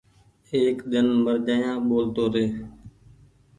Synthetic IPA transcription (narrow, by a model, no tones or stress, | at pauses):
eːkd̪ɪnməɾd͡ʒaːjãːɓoːlt̪oːɾeː